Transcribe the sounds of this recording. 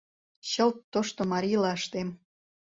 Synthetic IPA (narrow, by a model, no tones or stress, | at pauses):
ɕə̆lt̪ːoʃt̪omɑɾʲilɑəʃt̪em